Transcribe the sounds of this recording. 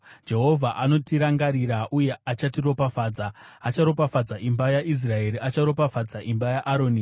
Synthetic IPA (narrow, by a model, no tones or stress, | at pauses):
d͡ʒe̞ɦo̞vʱaʔano̞tiɾaŋɡaɾiɾaʔuje̞at͡ʃatiro̞pafaːd͡zaat͡ʃaɾo̞pafad͡zaʔimbajaʔis̬raeɾiʔat͡ʃaɾo̞pafad͡zaʔimbajaʔaɾoːni